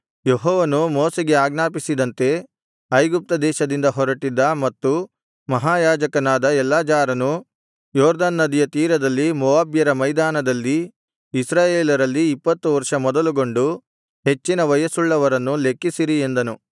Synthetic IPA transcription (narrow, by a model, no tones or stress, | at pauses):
jeɦɔːʋɐnumɔːseɡe̞aːɡnaːpisid̪ɐnt̪e̞ | ɐjɡup̚t̪ɐd̪ɛːʃɐd̪ind̪ɐɦɔɾɐʈid̪ːɐmɐt̪ːu | mɐɦaːjaːd͡ʒɐkɐnaːd̪ɐɛlːaːd͡ʒaːɾɐnu | jɔːɾd̪aːnːɐd̪ijɐt̪iːɾɐd̪ɐlːimɔʋaːbjɐɾɐmɐjd̪aːnɐd̪ɐlːiː | sɾaːjeːlɐɾɐlːiːpːɐt̪ːuʋɐɾʂɐmɔd̪ɐluɡo̞ɳɖu | ɦe̞t͡ʃːinɐʋɐjɐsuɭːɐʋɐɾɐnːule̞kːisiɾie̞nd̪ɐnu